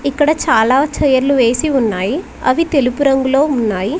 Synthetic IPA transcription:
ikːɐɽɐt͡ʃaːlaːt͡ʃɐjɐɾluʋe̞ːsiunːaːji | ɐ̰ʋit̪e̞lupuɾɐŋɡuloːunːaːji

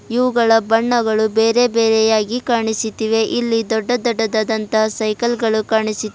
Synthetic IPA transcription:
iʋuɡɐɭɐbɐɳːɐɡɐɭubeːɾe̞beːɾɛjaːɡikaːɳisit̪ːiʋe̞ʔilːid̪ɔɖːɐd̪ɔɖɐd̪ɐd̪ɐnt̪ɐsɐjkɐlɡɐɭukaːɳisit̪ː

